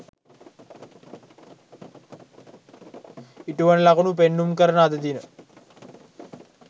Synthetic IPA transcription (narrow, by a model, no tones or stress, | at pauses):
iʈuʋɐnlakunup̬enːumkəɾənad̪əd̪inə